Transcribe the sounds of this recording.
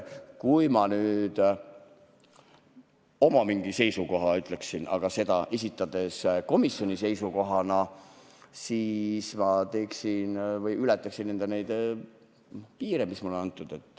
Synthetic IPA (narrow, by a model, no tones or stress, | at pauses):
kujmɑnyːd̪̥ | o̞mɑmiŋɡise̞jsuko̞ɦɑyt̪ˑle̞ksinʔɑ̰ɡ̥ɑse̞d̪ɑʔe̞sit̪ːˑɑd̪̥e̞sko̞misjo̞nʲise̞jsuko̞ɦɑnɑ | siːsmɑt̪e̞ːksinvɤjylɛt̪ːˑɑksinːe̞nd̪enejd̪̥ | piːɾemismɑulenɑnt̪ːˑud̪̥e̞t̪ːˑ